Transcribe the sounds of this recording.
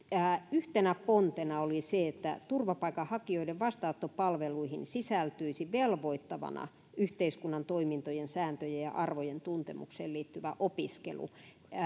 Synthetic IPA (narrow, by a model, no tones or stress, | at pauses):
æːyht̪enæpont̪enɑoliseet̪ːæ̰t̪urʋɑpɑikɑhɑkioideʋʋɑst̪ɑot̪ːopɑlʋeluihinsisælt̪yisiʋelʋoit̪ːɑʋɑ̰nɑ̰ | ʔyht̪eiskunːɑnt̪oimint̪ojensæːnt̪øjejjɑ̰ʔɑrʋojent̪unt̪emṵkseːliːt̪ːyʋæʔopiskḛlṵ